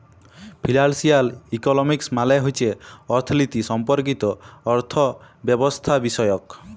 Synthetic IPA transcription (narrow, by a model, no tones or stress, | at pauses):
pʰilalsialikɔnɔmiksmalaɦojt͡ʃʰeɔɾt̪ʰlit̪isɔmpɔɾk̬it̪ɔɔɾt̪ʰɔbjɔbɔst̪ʰabisɔjɔk